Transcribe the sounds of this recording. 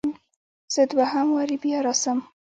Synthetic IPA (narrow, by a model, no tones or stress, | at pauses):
z̥əd̪waɦamwaɾibjɑɾɑsəm